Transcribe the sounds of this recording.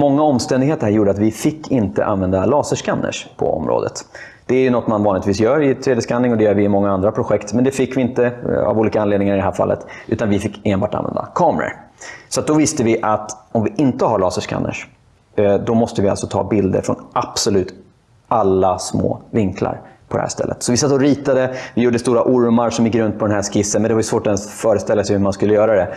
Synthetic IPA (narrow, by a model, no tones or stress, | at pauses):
mɔŋːaɔmst̪ɛnd̪ɪɡheːt̪əɾɦæɾjuːɖəat̪vɪfɪkʰːɪnt̪ə̰ʔa̰nvɛnd̪alɑːsəʂkanːə̰ʂpʰɔ̰ɔ̰mɾo̰ːd̪ə̰t̪ | d̪̥ɛæɾjɵnɔt̪ːmanvɑːnɪt̪viːs̬jœːɾɪt̪ʰɾeːd̪jəskanːɪŋɔd̪ɛjœːɾvɪːmɔŋːaand̪ɾapʰɾʊɧɛkt̪mɛnd̪ɛfɪkːvɪɪnt̪əa̰vuːliːkaanled̪nɪŋaɾɪd̪ɛɦæːɾfa̰lːə̰t̪ʉ̟ːt̪anvɪfɪkːeːnbɑːʈa̰nvɛ̰nd̪a̰kʰɑːmɾə̰sɔat̪̚d̪ɔvɪst̪əvɪʔat̪ɔmvɪʔɪnt̪əɦaɭɑːsəʂkʰa̰nːə̰ʂ | d̪ɔmɔst̪əvɪa̰lsɔt̪ʰɑ̰ːbɪld̪ə̰ɾfɾɔ̰nʔapsɔlʉ̟ːt̪ | ʔalːasmo̰ːvɪŋkʰla̰ɾpʰɔd̪ɛ̰hæ̰ːʂt̪ɛ̰lːə̰t̪sɔvɪsat̪ːɔɾiːt̪ad̪əvɪjuːɖəst̪uːɾaʔʊɾmaɾʂɔmjɪkːɾɵnt̪̚pʰɔd̪ɛnɦæʂkɪsːənmɛnd̪ɛvajɵsvoːʈɔɛnsfœːɾəst̪ɛlːasɛjhʉmanskɵlːəjœːɾad̪ɛ